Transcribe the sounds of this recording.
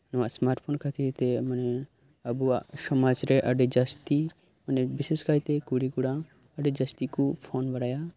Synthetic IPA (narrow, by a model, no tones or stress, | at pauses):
nɔʋasmaɾʈpʰonkʰɐt̪ʰiɾt̪ɛmɐnɛ | ɐbuasɔmad͡ʒɾɛʔɐɖed͡ʒɐst̪i | mɐnɛbiseskajt̪ekuɽikuɽa | ɐɖed͡ʒɐst̪ikupʰoːnbɐɽaja